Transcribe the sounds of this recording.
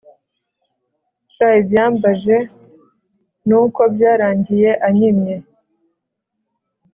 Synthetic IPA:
t͡ʃajibjaːmbaʒe | nuːkobjaːɾaːɲɟije̞ʔaɲimɲe

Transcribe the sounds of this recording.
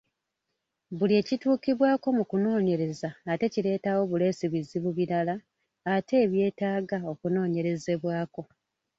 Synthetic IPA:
bulie̞ːcituːkiβwaːko̞mukuno̞ːɲe̞ɾe̞zaːte̞ciɾe̞ːtawo̞βule̞ːsiβiziβuβiɾalaː | te̞ːβje̞ːtaːɡao̞kuno̞ːɲe̞ɾe̞ze̞βwaːko̞

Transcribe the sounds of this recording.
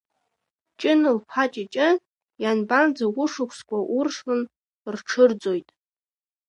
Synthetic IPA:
t͡ʃʼɪnɨlpʰat͡ʃʼit͡ʃʼɪ | janband͡zawʷʊʂɨkʷʰskʷʰʼaʔʊrʂlɨn | rʈ͡ʂʰɨrd͡zo̞jtʼ

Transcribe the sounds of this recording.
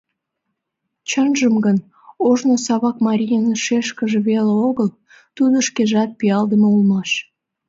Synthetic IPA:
t͡ɕənʒəmɡən | oʒnosɑβɑkmɑɾʲijənʃeʃkəʒeβeleoɣəl | t̪ud̪oʃkeʒɑt̪̚piɑld̪əməulmɑʃ

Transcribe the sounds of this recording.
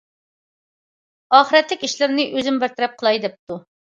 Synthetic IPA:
ɑːχəɾɛt̪lɪkʲiʃlɪɾnɪʔøzɪmbɪɾt̪ʰɪɾɛp̚qʰəlˠɑjd̪ɛp̚t̪u

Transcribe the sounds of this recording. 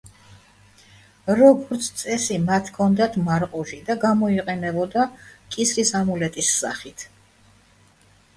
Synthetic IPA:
ɾɔɡɔɾt̪sʰt̪sʼɛsimat̪ʰkʰɔnd̪at̪ʰmaɾqʼɔʃid̪aɡamɔiqʼɛnɛbɔd̪akʼisɾisamulɛt̪ʼisːa̰χit̪ʰ

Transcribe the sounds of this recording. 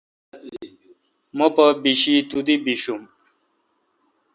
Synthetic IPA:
məpɐbiɕit̪ud̪ibiɕum

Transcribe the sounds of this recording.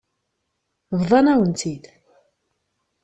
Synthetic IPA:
vðˤɑnæwənt̪id̪

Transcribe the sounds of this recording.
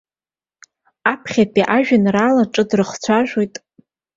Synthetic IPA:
apʰχʲapʰiʔaʒᶣanraːlaʈ͡ʂʼɨdrɨχt͡sʷʰaʒᶣʷojtʼ

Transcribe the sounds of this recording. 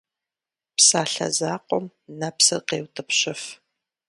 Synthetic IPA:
psaːɬɐ̰zaːqʷʼɔm | nɐpsɨrqeːwtʼɨpɕɪf

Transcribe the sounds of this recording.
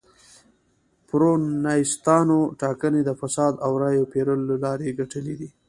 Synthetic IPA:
pɾonɑst̪ɑnoʈɑkəned̪əfasɑd̪awɾɑjopeɾəloalɑɾeɡaʈəlid̪i

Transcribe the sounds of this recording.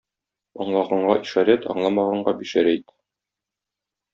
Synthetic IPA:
ɒ̰ɴlˠɑʁɑɴɢɑʔiʃɑɾæt̪ɒ̰ɴlˠɑmɑʁɑɴɢɑbiʃæɾæit̪

